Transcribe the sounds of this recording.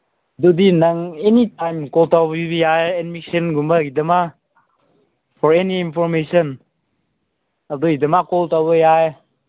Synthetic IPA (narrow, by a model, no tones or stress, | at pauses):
dudinaŋenitajmkɔltawbbijajɛnmiksenɡuməidəma | fʰɔɾeniːnpʰɔɾmesɔn | alduidəmakɔltawbəjaj